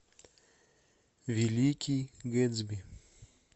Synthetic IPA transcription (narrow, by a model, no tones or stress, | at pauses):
vilikʰʲiɡɛzbi